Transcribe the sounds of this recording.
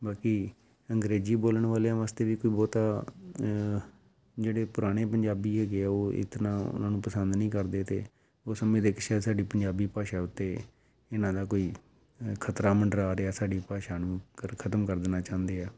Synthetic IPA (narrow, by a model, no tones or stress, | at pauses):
baːkiː | əŋɡɾeːziːboːləɳʋaːleãːʋaːst̪eːʋiːkoːiːbɔːt̪aː | d͡ʒeːɽeːpʊɾaːɽ̃eːpəɲd͡ʒaːbiːɦɛːɡeːɛːoːɪ̰t̪nãːʊ̰nãːnũːpəsənd̪nəĩːkəɾd̪eːt̪ḛː | oːsəmẽːd̪eːkʃɛːsaːɖiːpəɲd͡ʒaːbiːpaːʃaːʊt̪ːeː | ɪnãːd̪aːkoːiː | kʰət̪ɾaːməɳɖɾaːɾeːaːsaːɖiːpaːʃaːnũːəkʰət̪əmkəɾd̪naːt͡ʃãːnd̪eːɛː